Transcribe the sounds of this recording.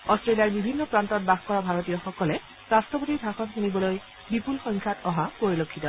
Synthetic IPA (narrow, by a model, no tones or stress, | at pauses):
ɔstɹelijaɹbibʱinːɔpɹantɔt̚baxkɔɹabʱaɹotijɔxɔkɔlɛ | ɹastɔpotibʱaxɔnxunibɔloj | bipulxɔŋkʰjatɔɦapoɹilokʰːitɔ